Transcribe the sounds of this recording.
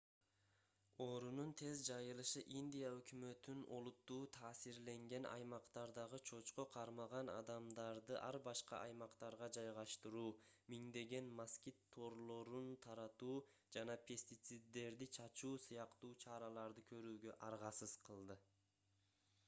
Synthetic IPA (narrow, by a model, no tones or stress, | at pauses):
o̞ɾununt̪ʰe̞zd͡ʒɑjɯlˠɯʃɯʔind̪ʲijaøkymø̞t̪yno̞̰lˠut̪ːuːt̪ʰɑːsiɾle̞ŋɡe̞nʔɑ̰jmɑqt̪ɑɾd̪ɑʁɯt͡ʃʰo̞t͡ʃqo̞qʰɑɾmɑʁɑnɑ̰d̪ɑmd̪ɑɾd̪ɯʔɑɾbɑʃqɑ̰ʔɑjmɑqt̪ɑɾʁɑd͡ʒɑjʁɑʃt̪ɯɾuːmiŋd̪e̞ɡe̞nmaskʲit̪ʰːo̞ɾlˠo̞ɾunt̪ʰɑɾɑt̪uː | d͡ʒɑnɑpʰʲe̞sʲt̪it̪sɨd̪ːe̞ɾd̪it͡ʃʰɑt͡ʃuːsɯjɑqt̪uːt͡ʃʰɑɾɑlˠɑɾd̪ɯkʰø̞ɾyːɡø̞ʔɑɾʁɑsɯz̥qʰɯlˠd̪ɯ